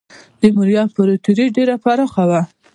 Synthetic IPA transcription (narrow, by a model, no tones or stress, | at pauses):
d̪̥əmuɾjɑpəɾot̪uɾiɖeɾapaɾɑxawa